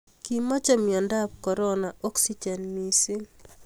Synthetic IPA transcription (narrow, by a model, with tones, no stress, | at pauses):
ki˦mːa˦t͡ʃɛ˦mjɔ˨nda˦p̚kɔ˨ɾɔ˦na˨ʔɔ˦ksi˦d͡ʒɛ˨nmi˨si˦